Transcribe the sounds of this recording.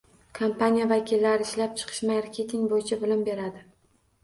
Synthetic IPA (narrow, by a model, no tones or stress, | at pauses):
kʰompʰanijavakʲʰilːaɾɪɪʃlap̚t͡ʃʰɨ̥qʰɨ̥ʃmaɾkʲʰet̪ʰɪŋbojɪt͡ʃʰabʊlʊmbe̞ɾad̪ɪ